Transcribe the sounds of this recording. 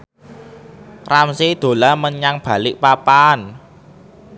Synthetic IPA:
ramsid̪̥o̤laməɲaŋb̥a̤lɪʔpapan

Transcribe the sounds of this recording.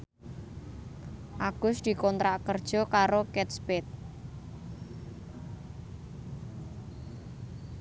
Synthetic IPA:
ʔaɡ̥ʊsd̪̥i̤kɔnt̪ɾaʔkərd̥ʒ̥ɔ̤kaɾokɛt̪spɛt̪̚

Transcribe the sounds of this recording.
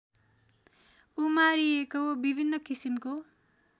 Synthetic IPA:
umaɾiekobibʱinːʌkisimko

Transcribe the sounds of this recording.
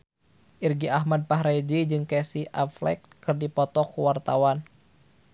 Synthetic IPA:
ʔirɡiaɦmad̚paɦɾed͡ʒid͡ʒɨŋkɛsiʔaflɛ̰k̚ | kɨrdipɔt̪ɔkuwart̪awan

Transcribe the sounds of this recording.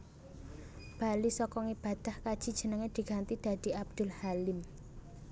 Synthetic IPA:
b̥a̤lisɔkɔŋib̥a̤d̪̥a̤hkad̥ʒ̥i̤d̥ʒ̥ə̤nəŋed̪̥i̤ɡ̥a̤nt̪id̪̥a̤d̪̥i̤ʔab̚d̪̥ʊ̤lhalɪm

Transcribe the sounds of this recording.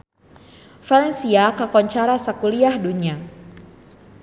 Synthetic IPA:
falɛnsiakakɔɲt͡ʃaɾasakuliahduɲa

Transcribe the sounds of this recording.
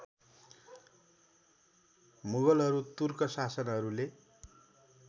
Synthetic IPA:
muɡʌlɦʌɾut̪urkʌsasʌnɦʌɾule

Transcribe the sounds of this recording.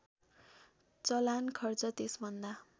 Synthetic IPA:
t͡sʌlankʰʌrt͡sʌt̪esbʱʌnd̪a

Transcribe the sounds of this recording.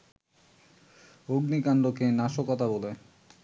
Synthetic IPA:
oɡnikaɳɖokenaʃokɔt̪abole

